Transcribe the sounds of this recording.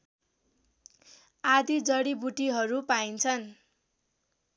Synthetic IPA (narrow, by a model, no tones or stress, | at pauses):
ad̪id͡zʌɽibuʈiɦʌɾupaint͡sʰʌn